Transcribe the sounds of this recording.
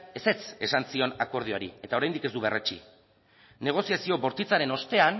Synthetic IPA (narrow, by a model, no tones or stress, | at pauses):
e̞se̞t͡se̞sansio̞nako̞ɾð̞ioaɾḭe̞t̪ao̞ɾajnd̪ike̞zd̪uβe̞ret͡ʃḭ | ne̞ɣ̞o̞siasio̞βo̞ɾt̪it͡saɾe̞no̞st̪e̞an